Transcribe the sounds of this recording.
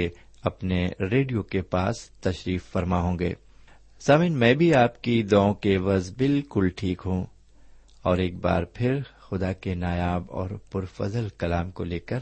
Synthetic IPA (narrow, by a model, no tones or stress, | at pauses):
e | ɐpneɾeːɖijokepaːst̪ɐʃɾiːfːɐɾmaɦõːɡḛː | saːmĩːnmɛ̃ːbʱiaːpkid̪ɔːõkeʋɐzbɪlkʊlʈʰiːkɦũː | ɔːɾeːk̚ba̰ːɾpʰɪɾxʊd̪akenaːjaːbɔ̰ːɾpʊɾfɐ̰zəlkɐlaːmkoleːkəɾ